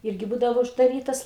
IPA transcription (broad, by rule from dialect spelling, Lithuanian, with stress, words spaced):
ˈɪrʲɡʲɪ ˈbuːdɐʋoː ʊʒdɐˈrʲiːtɐs